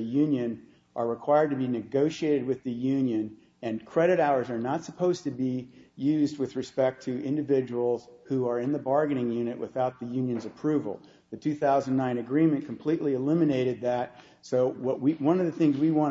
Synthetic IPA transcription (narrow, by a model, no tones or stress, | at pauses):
ɨjʉ̃njɨ̃n | ʔə˞ɹɨkʰw̥aɪə˞d̚tɨbinɨɡoʊʃieɪɾɨd̚wɨðɨjʉ̃njɨ̃n | ɨ̃nkʰɹ̥ɛɾɨɾaʊə˞zə˞nətsəpʰoʊz̥tɨbijʉzd̚wɨðɹɨspɛk̚tʰɨʔɪ̃ndɨvɪd͡ʒəwl̩ˠz̥huə˞ɨ̃nðɨbɑɹɡɨnɪ̃ŋjʉ̃nɨʔwə̰θaʊt̪̚ðɨjʉ̃njɨ̃nzɨpʰɹ̥ʉvl̩ˠ | ðɨtʰʉθaʊzə̃n̩nãɪ̃nɨɡɹĩmɨ̃nkʰm̩pʰl̥iʔˡliɨlɪ̃mɨneɪɾɨd̪̚ðɨt̚ | soʊwʌʔwiwʌ̃nʌvðɨθɪ̃ŋzwiwɑ̃